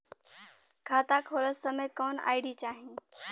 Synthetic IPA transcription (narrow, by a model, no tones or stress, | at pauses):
kʰaːt̪akʰoːləsəmekɔːna̰ːɪɖit͡ɕaːɦĩː